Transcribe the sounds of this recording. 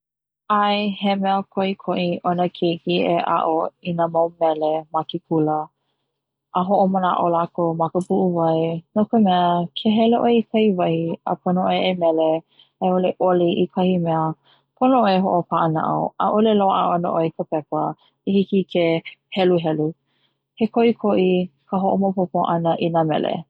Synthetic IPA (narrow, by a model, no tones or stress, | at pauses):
ajhemɛəkʰoikʰoʔiʔonəkʰekieʔa̰ʔoinəmawmɛlemakipʰulə | ʔəɦoʔoməna̰ʔolakomɐkəpuʔuvɐjnokəmɛəkʰeɦɛleʔoeikʰɐjvɐhiə̰pʰonoʔoeemɛle | eoleʔoliʔikʰɐhimɛə | pʰonoʔoeɦoʔopʰaʔəna̰ʔə̰wə̰ʔoleloʔaɐno̰ʔoekʰəpɛpə | ihikikʰehɛluɦɛlu | kekʰoʔikʰoʔikʰəɦoʔomopʰopoʔɐnəʔinamɛ̰lḛ